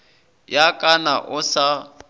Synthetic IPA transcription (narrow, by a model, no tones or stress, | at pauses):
jakʼanaʔʊsa